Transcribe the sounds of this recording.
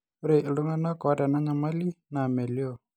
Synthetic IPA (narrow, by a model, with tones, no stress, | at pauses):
u˦ɾe˨ʔlu˦ŋa˦na˦kɔ˨˦dɛ˨na˦ɲa˨ma˦li˦na˨me˨ljo˦˨